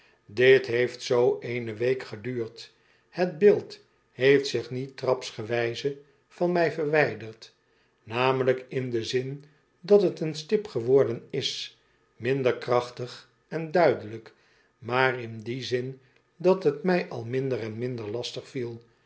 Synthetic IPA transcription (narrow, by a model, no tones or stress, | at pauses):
dɪtɦejftsowʔejnəʋejkχədyːrt | hədbɪlˠt | hejftsɪχnitrɑpsχəʋɛjzə | fɑnmɛjvəɹʋɛjdəɹt | naːmələkɪndəzɪn | dɑtɦətənstɪpχəʋɔɹdənɪs | mɪndəɹkrɑχtəχ | ɛndœɥdələk | maːrɪndizɪn | dɑtɦətmɛjʔɑ̰lˠmɪndəɾɛnmɪndəɹlɑstəχfilˠ